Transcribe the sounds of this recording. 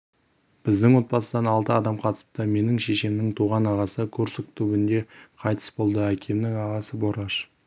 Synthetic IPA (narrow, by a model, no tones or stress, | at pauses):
b̥ɪzd̪ɪŋwo̞t̪̚bɑsəd̪ɑnɑlˠt̪əɑd̪ɑmqʰɑt̪ə̥sə̥p̚t̪əme̞nɪŋʃe̞ʃemnɪŋt̪ʰuʁɑnɑʁɑsəkʲʰɵɾsɪkt̪ʰubɪnd̪e̞qʰɑjt̪ʰə̥sbo̞lˠd̪əækʲʰe̞mnɪŋɑʁɑsəbo̞ɾɑʃ